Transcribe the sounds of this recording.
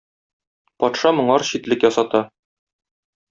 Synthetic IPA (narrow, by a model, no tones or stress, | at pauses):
pɒt̪ʃɑmŏɴɑɾɕit̪lɘkjɒsɑt̪ɑ